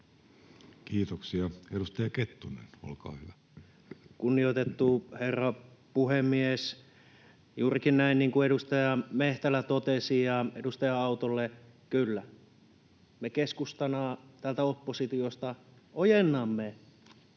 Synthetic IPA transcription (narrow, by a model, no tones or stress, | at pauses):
kiːt̪oksiɑeɾust̪ɑjɑket̪ːunḛno̰lkɑ̰ːhyʋæ | kunːioit̪et̪ːuherːɑpuhemːies | juːrikinnæinniːŋkueɾust̪ɑjɑmeht̪ælæt̪ot̪esijɑedust̪ɑjɑɑut̪olːe | kylːæ | mekeskust̪ɑnɑːt̪ælt̪æopːosit̪iost̪ɑ | ojenːɑmːe